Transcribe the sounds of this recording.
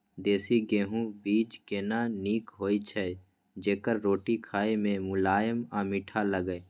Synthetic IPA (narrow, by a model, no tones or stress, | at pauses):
d̪eːsiɡeːɦũbiːd͡ʒkeːnaːniːkɦoːit͡ʃʰɛ | d͡ʒeːkəɾːoːʈikʰaːemẽmʊlaːjəmãːmɪʈʰaləɡeː